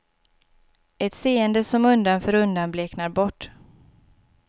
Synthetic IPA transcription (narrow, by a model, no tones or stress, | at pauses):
ɛt̪seːənd̪əsɔmɵnd̪anfœːɾɵnd̪anbleknaɾbɔʈː